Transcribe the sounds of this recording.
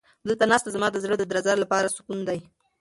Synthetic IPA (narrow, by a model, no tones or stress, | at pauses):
d̪əlt̪anɑst̪azamɑd̪əzɽəd̪əd̪ɾazɑɾlapɑɾasʊ̥kund̪aj